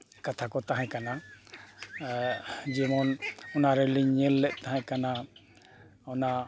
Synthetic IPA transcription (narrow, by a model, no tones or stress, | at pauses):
kat̪ʰakɔt̪aɦãkana | d͡ʒɛmɔnɔnaɾɛliɲɛlːɛʔ̚t̪aɦãkana | ɔna